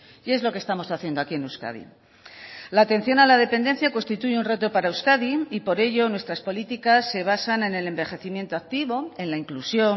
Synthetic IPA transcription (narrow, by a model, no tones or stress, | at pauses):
e̞zlo̞kest̪amo̞saθje̞nd̪oakie̞nuska̰ðḭ | laːt̪ẽ̞n̟θjo̞nalað̞e̞pend̪en̟θjako̞nst̪it̪uʝeunre̞t̪o̞paɾauwskaðiipo̞ɾe̞ʝo̞nwe̞st̪ɾaspo̞lit̪ikasːe̞β̞asane̞ne̞le̞mbe̞xe̞θimje̞nt̪oak̚t̪iβo̞e̞nlaiŋklusjo̞